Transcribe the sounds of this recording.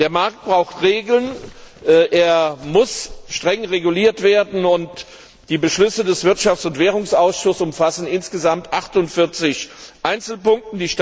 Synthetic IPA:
d̥eːɐmaɐk̚t̚b̥ʁaʊxtʁeːɡl̩nʔʔeːɐmʊsʃtʁ̥ɛŋʁeɡuliːɐtv̥eːɐdn̩ʊnt | d̥iːbəʃlʏsədɛsv̥ɪɐtʃaft͡sʊntv̥eːʁʊŋsʔaʊsʃʊsʊmfasn̩ɪnsɡ̥əzamtʔaχtʊntfɪɐt͡sɪçʔaɪnt͡sl̩pʊŋk̚tn̩diːʃ

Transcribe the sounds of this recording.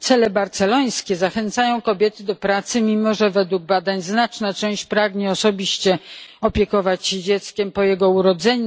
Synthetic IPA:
t̪sɛlɛbaɾt̪sɛlɔj̃skʲɛzaxɛnt̪sajɔ̃w̃kɔbʲjɛt̪ɘd̪ɔpɾat̪sɘmʲimɔʐɛvɛd̪wuɡ̚bad̪aɲznat͡ʂnat͡ʂɛw̃ɕt͡ɕpɾaɡɲɛɔsɔbʲiɕt͡ɕɛɔpʲjɛkɔvat͡ɕɕɛd͡ʑɛt̪skʲɛmpɔjɛɡɔuɾɔd̪zɛɲu

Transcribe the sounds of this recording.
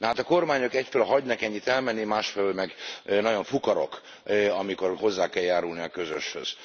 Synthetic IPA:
nɛɦaːt̪ɒko̞rmaːɲo̞kɛcfelɒɦɒɟnɒkɛɲːit̪ɛlmɛnːimaːʃfɛlylmɛɡnɒɟo̞ɱfukɒɾo̞̰k | ɒmiko̞rho̞zːaːkɛljaːɾulniɒkø̞zø̰ʃhø̰z̥

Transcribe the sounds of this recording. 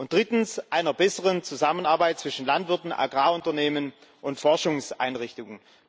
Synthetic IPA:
ʔʊnt̚d̥ʁɪtn̩sʔaɪnɐbɛsəʁənt͡suzamənaɐbaɪt̚t͡sv̥ɪʃn̩lantv̥ɪɐtn̩ʔa̰ɡʁaːʊntɐneːmənʔʊntfɔɐʃʊŋsʔa̰ɪnʁɪçtʊŋən

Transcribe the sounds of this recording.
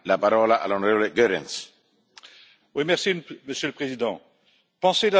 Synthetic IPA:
lapaɾɔːlaʔa̰lːonoɾevoleɡøɾɛ̃ns | wimɛʁsiməsjøləpχezid̪ɑ̃ | pɑ̃sela

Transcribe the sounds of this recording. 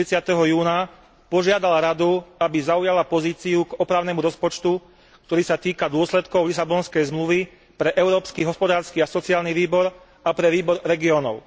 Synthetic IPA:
ɾit͡sɪat̪ɛɦɔjuːna | pɔʒɪad̪alaɾad̪uabizaujalapɔziːt͡siuɡɔpɾaʊnɛːmuɾɔspɔt͡ʃt̪u | k̚t̪ɔɾiːsat̪iːkad̪ʊɔslɛt̪kɔʊlisabɔnskɛjzmluʋi | pɾɛʔɛʊɾɔːpskiɦɔspɔd̪aːɾskiasɔt͡siaːlniʋiːbɔɾ | apɾɛʋiːbɔɾɾɛɡiɔːnɔ̰ʊ

